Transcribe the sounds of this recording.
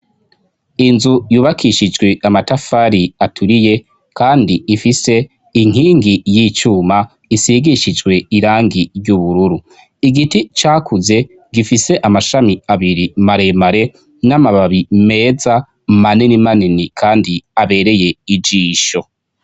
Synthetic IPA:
inzujuːβakʰiʃid͡ʒɡwe̞ʔamatafaːɾiatʰuɾije̞ | kaːndiifise̞ | iŋ̥ɦiːŋɡijiːt͡ʃuːma | isiɡiʃid͡ʒɡwe̞iɾaːŋɡiɾɟuβuɾuɾu | iɡitit͡ʃaːkuze̞ | ɡifise̞ʔamaʃamiaβiɾimaɾe̞maɾe̞ | namaβaβime̞ːza | maninimaninikʰaːndiaβe̞ɾe̞je̞id͡ʒiːʃo̞

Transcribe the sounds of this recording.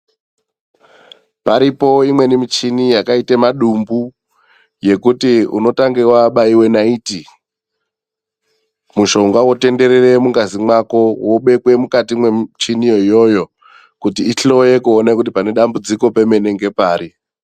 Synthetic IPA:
paɾipo̞imwe̞nimit͡ʃinijakaitemaɗumbu | je̞kutiṵno̞taŋɡewaɓaiwe̞naiti | muʃo̞ŋɡawo̞te̞nde̞ɾere̞muŋɡazimwako̞woɓe̞kwe̞mukatiimwe̞t͡ʃinijo̞ijo̞jo̞ | kutiːɬo̞je̞kuonekut̬ipane̞ɗambud͡ziko̞pe̞me̞neŋɡe̞paːɾi

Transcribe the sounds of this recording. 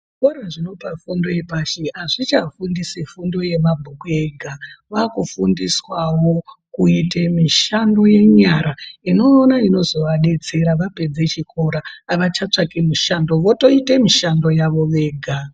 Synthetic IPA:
koɾaʐino̞pafundo̞je̞paʃeaʐit͡ʃafundisifundo̞je̞mabʱukueɡʱaʋakufundiswawo̞kuitemiʃando̞je̞ɲaɾaino̞ːnaino̞zo̞ʋaɗe̞t͡se̞ɾaʋape̞d͡ze̞t͡ʃiko̞ɾaːʋat͡ʃat͡ʂakimuʃando̞ʋo̞to̞itemiʃando̞jaʋo̞ʋe̞ːɡʱa

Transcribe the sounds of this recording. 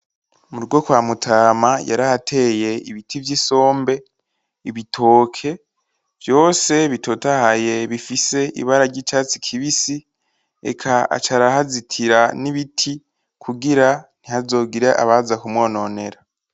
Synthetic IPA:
muɾɡwokwaːmutʰaːmajaɾahatʰe̞ːje̞iβitʰivjiso̞ːmbe̞ | iβitʰo̞ːkʰe̞ | vjo̞ːse̞βitʰotahaje̞βifise̞ʔḭβaɾaɾɟit͡ʃaːt͡si̥kʰiβisi | ḛkʰaa̰t͡ʃaɾahazitʰiɾaniβitʰi | kʰuɡiɾan̥ihazo̞ːɡiɾeʔa̰βazakumwo̞ːno̞ne̞ɾa

